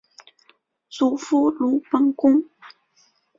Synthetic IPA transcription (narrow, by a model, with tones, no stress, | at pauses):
t͡su˨˩fu˥lu˧˥pə˥ŋkʊ˥ŋ